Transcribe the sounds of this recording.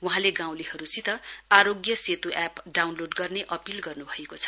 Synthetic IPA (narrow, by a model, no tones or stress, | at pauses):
wuɦãleɡãw̃lihʌɾut͡sit̪ʌaɾoɡjʌset̪uʔapɖawnloɖɡʌrneʔʌpilɡʌrnubʱʌekot͡sʰʌ̥